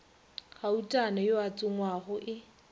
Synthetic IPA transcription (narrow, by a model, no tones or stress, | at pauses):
χautʼanajoat͡sʼʊŋwaɣʊʔɪ